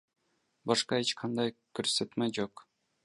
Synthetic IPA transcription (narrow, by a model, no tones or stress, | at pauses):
bɑʃqɑet͡ʃqʰɑnd̪ɑjkɵɾset̪mæd͡ʒoq